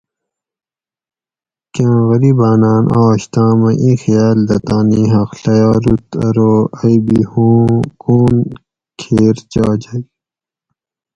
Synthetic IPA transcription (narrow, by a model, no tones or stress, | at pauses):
kãːɣɐɾiːbaːnaːnʔaːɕt̪ãːmɐ̃ʔĩːxjaːld̪ɐt̪ãːniːɦɐxɬɐjaːɾut̪ɾoːɐjbihũːkuːn | kʰeːɾt͡ɕaːd͡ʑai